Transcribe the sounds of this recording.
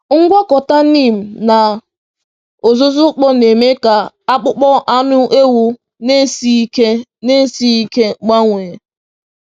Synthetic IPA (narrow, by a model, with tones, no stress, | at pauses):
ŋ̩˦ɡʷa˦kɔ˨ta˦niː˦˨m̩˨na˨ | o˨zʊ˦zʊ˦k͡pɔ˦ne˨me˦ka˨ | a˦k͡pʊ˦k͡pɔ˦ʔa˦nʊ˦ʔe˦wu˦ | ne˦si˦ke˦ne˦si˦i˦ke˦ɡ͡ba˦ŋʷe˨e˨